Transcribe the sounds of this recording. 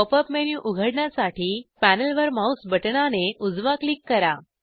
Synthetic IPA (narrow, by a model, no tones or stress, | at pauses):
opəpmenjuʔuɡʱəɽɳasaʈʰiːpænəlʋəɾmausbʱəʈɳaneʔud͡zʋaklikːəɾa